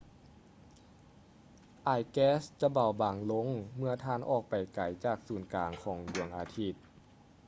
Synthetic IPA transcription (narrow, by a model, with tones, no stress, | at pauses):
ʔaː˧˩jkɛː˧˥st͡ɕa˧ba˨˩wbaː˨˩ŋlo˧˥ŋmɯ˧ɐt̪ʰaː˧˩˨nʔɔ̰ː˧˩k̚pa˨˩jka˨˩jt͡ɕaː˧˩k̚suː˨˩nkaː˨˩ŋkʰɔː˩˦ŋdu˨˩əŋʔa̰ː˨˩t̪ʰi˧˥˩t̪̚